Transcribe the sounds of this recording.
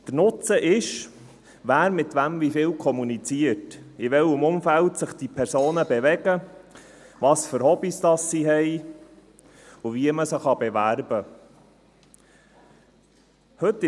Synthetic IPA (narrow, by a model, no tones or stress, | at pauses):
d̪̥ənʊt͡səʔɪʃ | ʋæːɾmɪt̪ʋæmvifɪːlkʰɔmunit͡siətɪʋɛlɪmʊmfæltsəχd̥ipʰɛɾsoːnəbɛʋɛɡə | ʋɑːsfəɾhɔbistɑsːiɦɛɪ | ʊviəməsəχɑbɛvæɾbə | hɵt̪ːɪ